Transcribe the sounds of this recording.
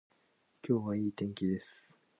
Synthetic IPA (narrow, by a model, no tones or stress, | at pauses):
kʲo̞ːβaiːt̪ẽ̞ŋkʲid̪e̞sɨ̥